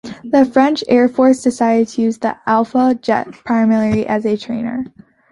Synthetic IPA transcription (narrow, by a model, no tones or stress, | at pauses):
ðɨfɹɛ̃nt͡ʃɛɹfɔɹsd̥ɨsaɪɨɾtʰɨjʉzðḭʔælˠfəd͡ʒɛ̰t̚pʰɹ̥aɪ̃mɛɹɛɹiʔɨzɨtʰɹ̥ẽɪ̃nə̰˞